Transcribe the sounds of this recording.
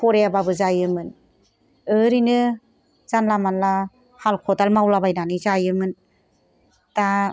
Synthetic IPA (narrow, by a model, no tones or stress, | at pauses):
pʰɔɾejababɯzajɯmɯn | ɯɾinɯ | zanlamanla | halkʰɔdalmawlabajnanizajɯmɯn | ta